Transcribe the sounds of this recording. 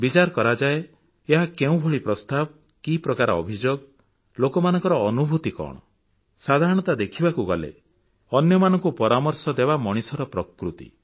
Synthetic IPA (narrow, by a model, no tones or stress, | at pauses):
bit͡ʃaɾɔkɔɾad͡ʒae | eɦakeũbʱoɭipɾɔst̪ab̚ | kipɾɔkaɾɔɔ̰bʱid͡ʒoɡ | lokɔmanɔ̃ŋkɔɾɔːnubʱut̪ikɔ̰ɽ̃ɔ̰ | sad̪ʱaɾɔɽ̃ɔt̪ad̪ekʰibakuɡɔlḛ | ɔnjɔmanɔŋkupɔɾamɔɾsɔd̪ebamɔɽ̃isɔɾɔpɾɔkɾut̪ḭ